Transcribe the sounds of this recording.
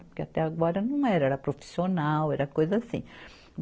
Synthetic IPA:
pɾkeat̪ɛaɡɔɾɐnɐ̃w̃ɛɾɐɛɾɐpɾofi̥sionawɛɾɐkojzɐasḭ̃

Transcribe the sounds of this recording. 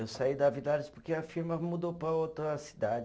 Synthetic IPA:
ewsaid̪ɐvid̪ad͡ʒɪspoɾkeɐfiɾmɐmud̪opɾɐowt̪ɾɐsi̥d̪ad͡ʒ

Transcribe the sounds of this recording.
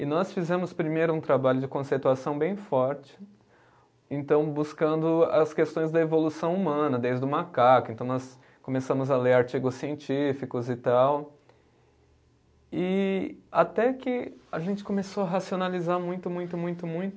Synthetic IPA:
ɪnɔsfizɛ̃mʊspɾimejɾʊũt̪ɾabaʎʊd͡ʒɪkõsejt̪uasɐ̃w̃bẽj̃fɔɾt͡ʃɪ̥ | ẽnt̪ɐ̃w̃buskɐ̃nd̪ʊɐ̰skest̪õj̃zd̪ɐevolusɐ̃w̃umɐ̃nɐd̪ejzd̪ʊmakakʊẽt̪ɐ̃w̃nɔs | kõmesɐ̃mʊzɐleɾaɾt͡ʃiɡʊsːiẽnt͡ʃifikʊzɪt̪aw | ɪat̪ɛkɪaʒẽnt͡ʃɪ̥kõmesoɐɦasionalizaɾmũj̃t̪ʊmũj̃t̪ʊmũj̃t̪ʊmũj̃t̪ʊ

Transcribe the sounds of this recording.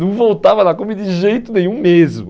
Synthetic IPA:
nɐ̃w̃vowt̪avɐnɐkõmid̪ɪʒejt̪ʊnẽj̃ũmezmʊ

